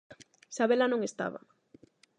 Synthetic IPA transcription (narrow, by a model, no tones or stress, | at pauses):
saβelanõŋest̪a̰βa̰